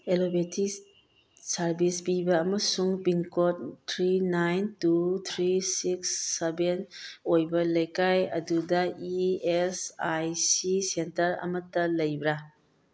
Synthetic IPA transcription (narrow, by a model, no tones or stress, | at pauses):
elobetʰi | sɐɾbisbibɐːmɐsuŋpinkot̚tʰɾinajntut̪ʰɾisiksːebenojbɐlɐjkajɐ̰dudɐiesajsisentɐɾɐ̰mɐtːɐlɐjbɾa